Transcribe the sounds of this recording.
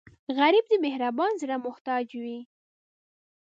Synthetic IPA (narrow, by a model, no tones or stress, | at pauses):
ɣaɾib̚d̪əmehɾabɑnzɾamʊht̪ɑd͡ʒwi